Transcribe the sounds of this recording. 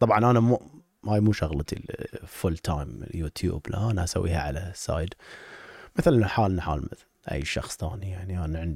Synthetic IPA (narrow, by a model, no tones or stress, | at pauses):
t̪ˤːɑbʕɑnʔanamu | haːjmuːʃaɣlɑt̪ḭfʊlt̪ʰajm̰juːt̪ʰjṵːblʔa̰ʔanaʔasa̰wːḭːhaʕalasːa̰ːjɪd̪ | mɪθlʔɪnːaħaːlnaħa̰ːlmɪθlʔa̰jːʃɑ̰xsˤθa̰ːnijaʕniʔanaʕɪnd̪